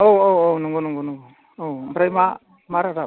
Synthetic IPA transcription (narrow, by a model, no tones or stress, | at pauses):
owowownuŋɡonuŋɡonuŋɡɔ | owmpɾajma | maɾaɾa